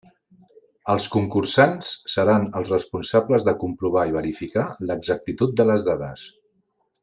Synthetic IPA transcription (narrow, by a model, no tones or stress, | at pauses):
əlˠskuŋkursansːəɾanəlˠzrəspunsabləzðəkumpɾuβ̞aiβ̞əɾifikaləɡzək̚t̪it̪ut̪̚d̪ələzðaðəs